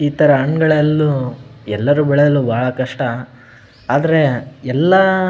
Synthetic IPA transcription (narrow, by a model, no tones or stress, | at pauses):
iːt̪ɐɾɐɐɳɡɐɭelːuɛlːɐɾubɛɭed̪ɐlːuːbʱaːɭɐkɐʂʈɐ | aːd̪ɐɾe̞ɛlːɐ